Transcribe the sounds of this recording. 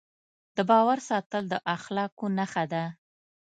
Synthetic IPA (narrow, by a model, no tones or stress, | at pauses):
d̪̥əbɑwaɾsɑt̪əld̪əʔaxlɑkonaxad̪a